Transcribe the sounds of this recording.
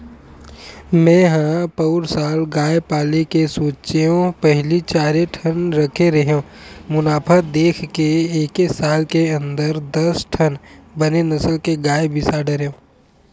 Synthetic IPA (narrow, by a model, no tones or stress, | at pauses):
mɛ̃ːɦãpɐʊɾsaːlɡaːjpaːlekesoːt͡ʃeɦõpɛɦlit͡ʃaːɾeʈʰɐnɾɐkʰeɾɐɦeõː | mʊnaːpʰəd̪eːkʰkeeːkesaːlkeɐ̃nd̪əɾd̪ɐsʈʰɐnbɐnenɐsəlkeɡaːebɪsaɖɐɾeõː